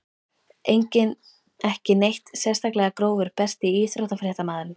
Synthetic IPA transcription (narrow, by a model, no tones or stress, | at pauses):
ejɲcɪn | ɛhcɪnejht̪sɛ̥st̪aklɛɣakɾoːwvʏɾ̥pɛr̥t̪ɪiːsɾowt̪afɾjɛht̪amaːðʏn